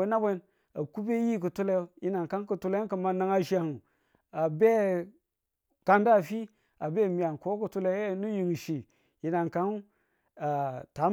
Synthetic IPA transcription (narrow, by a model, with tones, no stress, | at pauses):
e˦na˦bʷe˦n | a˨ku˦be˦ji˦k̬u˨tu˦la˦o˦ji˦na˨nka˦nku˨tu˦la˦kə˨ma˨na˦ŋa˦ʃi˦a˨hu˨ | a˨be˦ | ka˦nda˦˨fi˦ | a˨be˦˨mi˨a˨nko˦ku˨tu˦la˦˨nu˦ji˨ŋ˨ʃi˨ | ji˨na˨nka˦n˦ | a˨ta˨˦